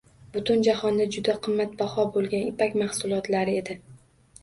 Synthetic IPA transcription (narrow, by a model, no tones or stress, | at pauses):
bʊt̪ʰʊnd͡ʒahɒnd̪ad͡ʒʊd̪aqʰɨmːat̪̚bahɒbolˠɡʲanɪpakʲmahsʊlˠɒt̪laɾɪe̞d̪ɪ